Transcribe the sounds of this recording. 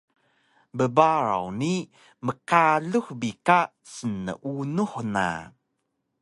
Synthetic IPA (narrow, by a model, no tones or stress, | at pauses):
bəbaɾa̰wni | məkaɮuxbika | sənːə̰ʔunuħna̰